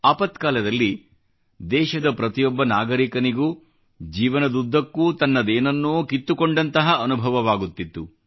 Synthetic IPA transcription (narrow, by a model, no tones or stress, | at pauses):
aːpɐt̪kaːlɐd̪ɐlːi | d̪ɛːʃɐd̪ɐpɾɐt̪ijɔbːɐnaːɡɐɾikɐniɡuː | d͡ʒiːʋɐnɐd̪ud̪ʱːɐkːuːt̪ɐnːɐd̪eːnɐnːuːkit̪ːukoɳɖɐnt̪ɐɦɐʔɐnubʱɐʋɐʋaːɡut̪ːit̪ːu